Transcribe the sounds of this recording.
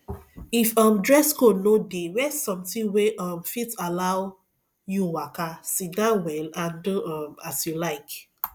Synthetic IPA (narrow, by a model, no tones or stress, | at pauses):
ifɔmdɹɛskonodewɛssɔ̃mtĩweʔɔmfitalaʊ | juwakasidãwɛlãnduɔmasjulaɪk